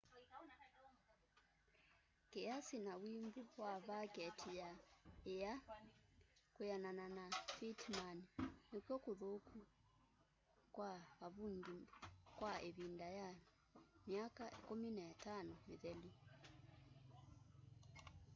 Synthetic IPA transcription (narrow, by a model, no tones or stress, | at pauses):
kɛasinawimbuwaβakɛtʰijaɛja | kujanananafitmaninikjɔkuðokʰu | kwaβaβuŋɡikwaeβindaja | mjakaikɔminɛatanɔmiðɛli